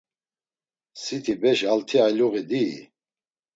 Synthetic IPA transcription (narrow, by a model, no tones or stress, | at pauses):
sit̪ʰibɛʃalt̪ʰialuɣid̪iː